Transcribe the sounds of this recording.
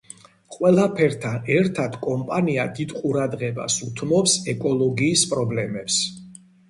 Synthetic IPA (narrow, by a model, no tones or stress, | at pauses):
qʼwɛlˠapʰɛɾt̪ʰanɛɾt̪ʰad̪kʼɔmpʼaniad̪id̪qʼuɾad̪ʁɛba̰sut̪ʰnɔpsɛkʼɔlˠɔɡiːspʼɾɔblɛmɛps